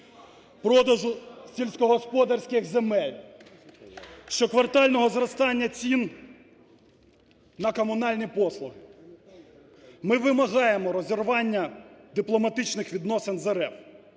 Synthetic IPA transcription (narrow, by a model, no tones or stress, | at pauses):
pɾɔd̪ɐʒʊsʲilʲsʲkɔɦɔspɔd̪ɐrsʲkɪxzemɛlʲ | ʃt͡ʃɔkʋɐrt̪ɑlʲnɔɦɔzrɔst̪ɑnʲːɐt͡sʲin | nɐkɔmʊnɑlʲnʲipɔslˠʊɦɪ | mɪʋɪmɐɦɑjemɔɾɔzʲirʋɑnʲːɐd̪ɪplˠɔmɐt̪ɪt͡ʃnɪxʋʲid̪nɔsenzeɾɛf